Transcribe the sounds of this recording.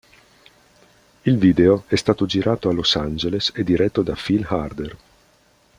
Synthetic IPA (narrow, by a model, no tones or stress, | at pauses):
ilviːd̪eoɛst̪aːt̪od͡ʒiɾaːt̪oalosand͡ʒelesed̪iɾɛt̪ːod̪afilhard̪er